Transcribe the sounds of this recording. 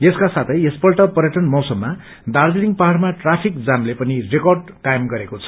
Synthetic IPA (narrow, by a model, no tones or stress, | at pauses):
eskasat̪ʰʌjespʌlʈʌpʌɾjʌʈʌnmʌwsʌmːa | d̪ard͡ziniŋpaɦɽmaʈrapʰik̚d͡zamlepʌnirekʌrɖ | kajemɡʌɾekot͡sʰʌ̥